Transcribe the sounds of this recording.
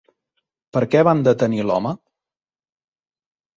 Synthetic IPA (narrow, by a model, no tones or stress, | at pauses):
pəɾkɛβand̪ət̪ənilɔ̰mə